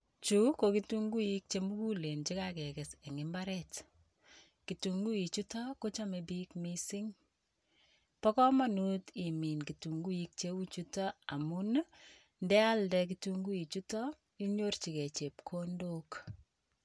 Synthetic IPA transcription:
t͡ʃu˦ko˨ki˦tu˦ŋɡu˦i˦k̚t͡ʃe˦mu˦ku˦le˨nt͡ʃi˦kakɛ˨kɛ˨sɛ˨ŋɪ˦mba˦ɾɛt | ki˨tu˨ŋɡu˦i˨t͡ʃu˦tɔ˦ko˦t͡ʃa˦me˨bi˦kmisi˦ŋ | pɔ˦kɔ˦ma˦nu˦ti˨mi˨nki˨tu˨ŋɡu˦i˦k̚t͡ʃe˦u˦t͡ʃu˦tɔ˦a˨mu˦n | ndɛ˦a˦ldɛk̬ituŋɡu˦i˨t͡ʃu˦tɔ˦ | i˦ɲo˦rt͡ʃi˨kɛ˨t͡ʃe˨p̚kʰo˦ndo˦k

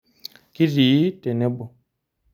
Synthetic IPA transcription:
ki˦ɾi˨˦tɛ˨nɛ˦bɔ˨

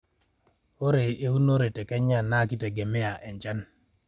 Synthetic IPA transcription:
o˦ɾe˨e˦u˦no˦ɾe˨tɛ˨kɛ˦ɲa˦˨na˦ki˦te˨ɡe˨me˦a˨ʔɛ˨ɲd͡ʒa˦n

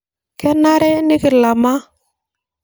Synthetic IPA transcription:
kɛ˦na˦ɾɛ˦ni˦kɪ˨ɾla˨ma˦

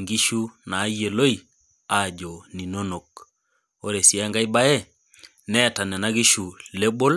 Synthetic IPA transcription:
ŋɡi˦ʃu˦naː˨˦je˨lo˦i˨ | a˦˨d͡ʒɔ˨ni˨no˦no˨k̚ | o˦ɾe˨si˦a˦ŋɡa˦i˦ba˦ɛ˦ | nɛ˦˨ta˨nɛ˨na˦ɡi˦ʃu˨le˦bo˦l

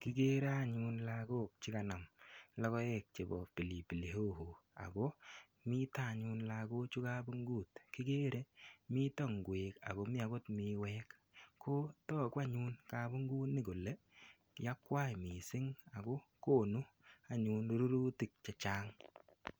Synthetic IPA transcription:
ki˨˦ke˦ɾa˦˨ɲu˧nlako˦k̚t͡ʃɪ˦ka˨na˨mlɔ˦kɔ˦jɛ˦k̚t͡ʃe˨bɔ̰˨pi˨li˨pi˨le˨ho˦ho˨a̰˨ko˦ | mi˦ta˦˨ɲu˦nlako˦t͡ʃu˦ka˦bu˦ŋɡuː˦tki˦ke˦ɾe˦mi˦tɔ˦ŋɡweː˨ka̰˨ko˦mi˦a˨˦ko˦tmi˨wɛː˦k | ko˦tɔ˦˨kwa˦ɲu˦nka˦bu˦ŋɡuː˦tni˦ko˨le˦ | ja˦kwa˦jmi˨sɪ˦ŋa˨ɡo˦ko˦nu˦ | a˨ɲuː˧no˦ɾu˦ɾu˦ti˨k̚t͡ʃɛ˨t͡ʃaː˦ŋ

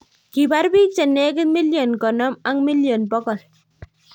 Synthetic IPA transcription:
ki˨ba˦ɾbi˦k̚t͡ʃe˨ne˦kɪ˦tmi˦ljo˨nkɔ˨nɔ˦ma˦ŋmi˦ljo˨npɔ˦kɔ˨l

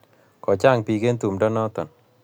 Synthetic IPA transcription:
kɔ˨t͡ʃa˦˨ŋpi˨ke˦nt̪u˨mdɔ˦nɔ˦t̪ɔ˨n

